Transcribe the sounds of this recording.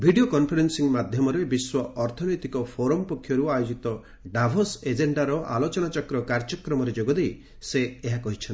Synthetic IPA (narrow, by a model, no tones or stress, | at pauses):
bʱiɖiokɔnpʰɔɾensiŋmad̪ʱjɔmɔɾebiswɔɔɾt̪ʰɔnɔjt̪ikɔpʰoɾɔmpɔkʰːjɔɾuajod͡ʒit̪ɔ | ɖabʱɔsed͡ʒeɳɖaɾɔʔa̰lot͡ʃɔnat͡ʃɔkɾɔkaɾd͡ʒɔkɾɔmɔɾed͡ʒoɡɔd̪ej | seːɦakɔɦit͡ʃʰɔni